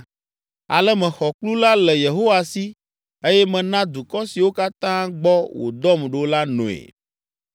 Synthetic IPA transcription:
a̰˨lɛ˦mɛ̃˨xɔ˨k͡plu˦la˦lɛ˨je˨ɦo˦wa˨si˦ | e˦jɛ˦mɛ̃˨nã˦d̪u˨kɔ˦si˨wo˦ka˦t̪ã˦ɡ͡bɔ˦wʔo̰˨d̪ɔ˦mɖe˨wla˦nṵ̃˨ḛ˨

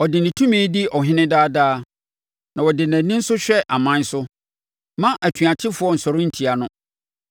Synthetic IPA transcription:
ɔ˨dɪ˨nɪ̃˨tʰũ˦mĩː˦dɪ˦ɔ˨ɦɪ̃˦nɪ̃˦daː˦daː˦ | nã˨wɔ˨dɪ˨næ̃˨nɪ̃˦n̩˦sʊ˦ɕᶣɛ˦ʔa˨mã˦n̩˦sʊ˦ | mã˦ʔæ˨tʰɥa˨t͡ɕʰɪ˦fʊ˦ɔ˦n̩˨sɔ˨ɾʊ̃˦n̩˨tʰi˨a˨nʊ̃˦

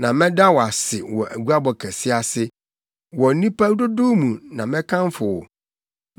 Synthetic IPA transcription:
nã˨mɛ̃˦da˦wɔ˨a˨sɪ˨wɔ˨ʔæ̰˨ɡu˦a˦bɔ˨kʰæ˨sɪ˦a˨sɪ˦ | wɔ˨˦nĩ˦pa˦dʊ˦dʊ˦mũ˨nã˨mɛ̃˦kʰã˦mfʊ˨wɔ̰˨

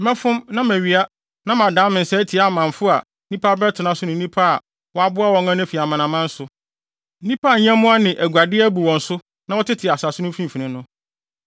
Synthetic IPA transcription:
mɛ̃˦fʊ̃˦mnã˦mæ˨ɥi˨a˦ | nã˦mã˨dãː˨˦mɪ̃˨n̩˨sɛ˦tʰi˨˦a˨mã˨ɱ˨fʊ˦a˨˦nĩ˦pʰa˦bɾɛ˦tʰɪ˨nã˦sʊ˦nʊ̃˨n̩˦nĩ˦pʰa˦a˨ | wɔ˦a˦bʊ˦a˦wɔ̃˨˦ŋã˦n˦fi˨a˨mã˨nã˨mã˦n̩˦sʊ˦ | n̩˦nĩ˦pʰa˦˨˦ɲ˦ã˦mʊ̃˦a˦nɪ̃˨ʔæ˨ɡʷa˨dɪ˦æ˦bu˨wɔ̃˨n˦sʊ˦ | nã˦wɔ˦tʰɪ˦tʰɪ˨a˨sa˨sʊ˦nʊ̃˦fĩ˦˨fi˨nɪ̃˦nʊ̃˦

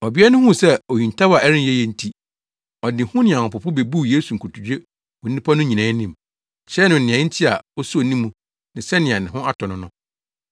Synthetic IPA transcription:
ɔ˨bi˦ɛ˦nʊ̃˦hʊ̃˦˨sɛ˦o˨jĩ˨n˨tʰa˦wa˨ɛ˦ɾɪ̃˦n˦jɛ˦jɛ˦˨n̩˦˨tʰi˦ | ɔ˨dɪ̃˨hʊ̃˦nɪ̃˨ã˨ʊ̃˨pʊ˨pʰʊ˦be˨bu˦jeː˦su˨ŋ̩˨kʰu˨tʰu˨d͡ʑᶣe˦ | o˨nĩ˦pʰa˦nʊ̃˦ɲĩ˨nãː˨˦nĩ˦˨m | ɕɛ˦nʊ̃˨n̩˨nɪ̃˨ã˨˦n̩˦tʰi˦a˨ɔ˦su˦o˨nĩ˦mːũ˨ | nɪ̃˨sɛ˦nɪ̃˨a˨nɪ̃˨ɦʊ̃˦ʔa˦tʰɔ˨nʊ̃˨˦nʊ̃˦

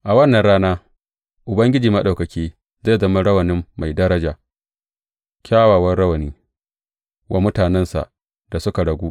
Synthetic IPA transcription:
ʔa˨wɐ˦nːɐ˨nɽaː˦naː˦ | ʔʊ˨bɐ˦ŋɡʲɪ˦d͡ʒiː˨mɐ˦ɗa˨wkɐ˨kʲiː˦ | zae˦˨zɐ˦mɐ˦ɽɐ˦wɐ˨nɪ˦mːa˨jdɐ˦ɾɐ˦d͡ʒaː˨ | kʲʰaː˦waː˨wɐ˦rɽɐ˦wɐ˨niː˦ | wʔa˦mʊ˦taː˨nɛ˦nsa̰˨ʔ | da˨sʊ˦ka˨ɽɐ˨ɡʷuː˦ʔ

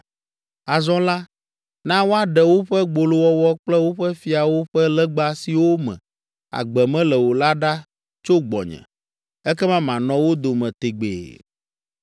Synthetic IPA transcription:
a˨zɔ̃˦la˦ | nã˦wo˦a˦ɖɛ˨wo˦ɸɛ˦ɡ͡bo˨lo˦wɔ˦wɔ˦k͡plɛ˦wo˦ɸɛ˦fi˦a˨wo˦ɸɛ˦lɛ˦ɡ͡ba˦si˨wo˦mɛ̰̃˨ | a̰˨ɡ͡bɛ˨mɛ̃˦lɛ˨wo˨la˦ɖa˦ | t͡ʃo˦ɡ͡bɔ̰˨ɲɛ̰̃˨ | ɛ˦kɛ˦mã˦mã˨nɔ̃˦wo˦d̪o˨mɛ̃˨t̪e˨ɡ͡bḛː˨

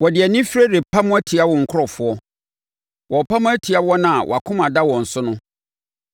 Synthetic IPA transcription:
wɔ˨dɪ˨ɛ˨nĩ˦fɾe˦de˨pʰa˦mʊ̃˦æ˦tʰi˨a˦wɔ˨ŋ̩˨kʰʊ˦ɾɔ˨fʊ˦ɔ˦ | wɔ˨pʰã˦mʊ̃˦æ˦tʰi˨a˦wɔ˦nã˨a˨wɔ̰˨a˨kʰʊ̃˦mã˨da˦wɔ̃˨n̩˨sʊ˦nʊ̃˦

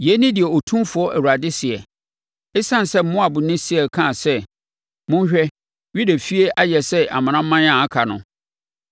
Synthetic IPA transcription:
jɛ˨˦nɪ̃˦dɪ˨ɛ˨o˨tʰũ˦mfʊ˨˦ɔ˦ʔæ˨wu˨a˨dɪ˦sɪ˨ɛ̰˨ | ɪ˦sã˦˨n˨sɛ˦m̩˦mʊ̃˦a˨bʊ˨nɪ̃˦sɪ˦ɛ˨kʰã˦˨sɛ˦ | mʊ̃˦n˦ɕᶣɛ˦ | ɥi˦dæ˨fi˦e˦ʔa˦jɛ˨sɛ˦ʔa̰˨mã˨nã˦ã˦n˦ã˦˨a˦kʰa˨nʊ̰̃˨

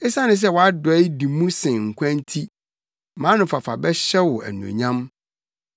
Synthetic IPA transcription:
ɛ˦sa˦nɪ̃˨s̬ɛ˦wɔ˨a˦dʊ˨ɛ˦i˦di˨mũ˦sɪ̃˨ŋ̩˨kʷʰã˦n˦tʰi˦ | mã˨˦nʊ̃˨fa˨fa˨bɛ˦ɕɛ˦wɔ˨æ̰˨nṵ̃˨ɲã˦m

